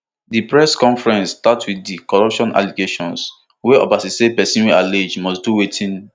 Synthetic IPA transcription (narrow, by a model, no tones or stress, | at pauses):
dipɹɛskɔ̃ɱfɹɛ̃nstatwiθdikɔɹɔpʃɔ̃na̰liɡeʃɔ̃ns | wɛɔ̰basisebɛsĩnwɛaled͡ʒmɔsduwetʰĩn